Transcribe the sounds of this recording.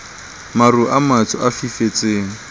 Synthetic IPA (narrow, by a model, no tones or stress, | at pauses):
maruʔamat͡sʰʊʔafifet͡sʼeːŋ̩